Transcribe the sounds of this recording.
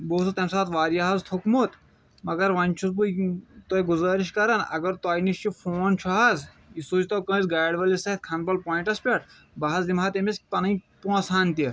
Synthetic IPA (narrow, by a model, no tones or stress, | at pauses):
boːsɐt̪ɐmsaːt̪ʋaːɾjaɦɐzt̪ʰukmut̪ | mɐɡɐɾʋɐnʲt͡ʃʰusbujt̪oːiɡuzaːɾiʃkɐɾɐnɐ̰ɡɐɾt̪aːjiniʃt͡ʃifʰoːnt͡ʃʰuɦɐz | isuːt͡ʃt̪ɐwkɐ̃ːzɡaːjɖʋɐlisɐɦit̪̚kʰɐnbɐlpɔːĩɳʈɐspʲɐʈ | bɐɦɐzd̪imaːt̪emispɐnɐĩpɔ̃ːsʰaːnt̪i